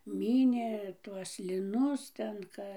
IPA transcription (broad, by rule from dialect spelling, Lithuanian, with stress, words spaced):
ˈmʲiːnʲeː ˈtuɔs lʲɪˈnʊs tʲɛn ˈkɐ